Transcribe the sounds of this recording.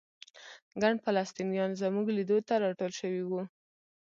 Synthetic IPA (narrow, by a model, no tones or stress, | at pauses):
ɡaɳɖfalɑst̪inijɑnzəmuɡlid̪ot̪aɾɑʈolʃəwiwu